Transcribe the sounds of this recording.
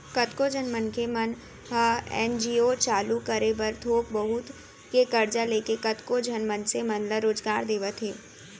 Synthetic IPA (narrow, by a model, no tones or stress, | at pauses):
kɐt̪kod͡ʒənmənkemən | ɦəɛ̰ːnd͡ʒiːot͡ʃaːlukəɾebɐɾt̪ʰoːk̚bɐɦʊt̪ | kekɐɾd͡ʒaleːkekɐt̪kod͡ʒʱɐnmənsemənləɾoːd͡ʒɡaːɾd̪eːʋət̪ʰɦeː